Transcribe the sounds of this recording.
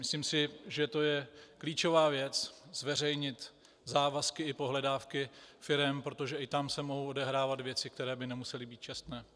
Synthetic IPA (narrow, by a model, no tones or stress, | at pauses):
mɪsliːmsɪʒɛt̪o̞jɛkliːt͡ʃo̞vaːvjɛt͡szvɛr̝ɛjɲɪt̪ | zaːvaskɪɪpo̞ɦlɛdaːfkɪfɪɾɛmpɾo̞t̪o̞ʒɛʔɪt̪amsɛmo̞ɦowʔo̞dɛɦɾaːvat̪vjɛt͡sɪk̚t̪ɛɾɛːbɪnɛmusɛlɪbiːt̪̚t͡ʃɛst̪nɛː